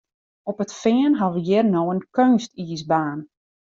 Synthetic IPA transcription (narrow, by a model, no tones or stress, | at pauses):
ɔpətfɪːənɦɑʋəjɪrnoːənkønstiːsbaːn